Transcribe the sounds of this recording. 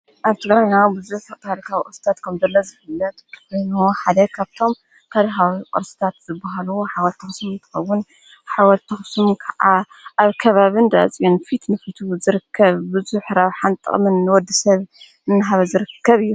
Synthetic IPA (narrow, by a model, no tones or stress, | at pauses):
ʔaβt̪ʰɨɡɾajnawbɨzuħkʰɐt̪alikʰawikʼoɾsɨ̥t̪ʰat̪kʰɐmzɐlːɐzɨfɨlːɐt̪kʰojnuħad̪ɐkʰaβt̪ʰo̞m | kʰalkawikʼɔ̰ɾsɨ̥t̪ʰat̪z̥ɨbːaɦaluħawɐlt̪ʰɐxsumɨnt̪ʰɨ̥xɐwːʊn | ħawɐlt̪ʰɐxsumkʰɐʕa | ʔaβkʰɐβaβɨnd̪at͡sʼijonfit̪nɨfit̪ʰuzɨɾɨkʰːɐβbɨzuħɾaβħant̪ʼɨ̰ʔʼmɨnːɨwɔd̪ːɨsɐβ | ɨnːɨɦaβɐzɨɾɨkʰːɐβɨjːu